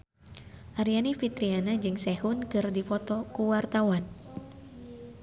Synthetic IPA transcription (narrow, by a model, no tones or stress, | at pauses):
ʔaɾianifit̪ɾianad͡ʒɨŋsɛhunkɨrdifɔt̪ɔkuwart̪awan